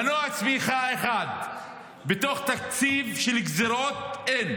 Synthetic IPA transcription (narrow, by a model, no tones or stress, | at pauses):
anuat͡smiχaeχad̪ | bet̪o̞χt̪akt͡sivʃelikzeɾot̪en